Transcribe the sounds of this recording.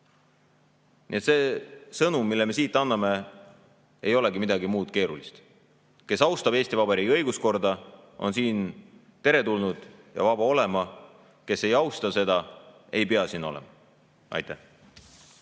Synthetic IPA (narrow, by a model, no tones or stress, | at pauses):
nḭe̞t̪se̞ːsɤnummːilːeme̞siːt̪ˑːɑnːɑme̞ | e̞jo̞leɡimid̪ɑɡimuːd̪̥ke̞ːɾulist̪ | ke̞sɑwst̪ɑb̥eːsʲt̪ivɑbe̞ɾiɡiɤ̞jɡ̥usko̞rd̪ɑ | o̞̰nsiːn | t̪e̞ɾe̞t̪ulnud̪̥jɑ̰vɑb̥ɑo̞le̞mɑ | ke̞se̞jɑwst̪ɑse̞d̪̥ɑ | e̞jpe̞ɑsiːno̞̰lɛ̰mɑ | ɑ̰jt̪ːæh